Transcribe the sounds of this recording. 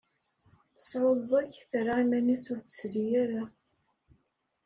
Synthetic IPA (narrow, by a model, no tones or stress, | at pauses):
θə̥sʕozˤːɑçθɾaimænisʊɾθə̥sðijaɾa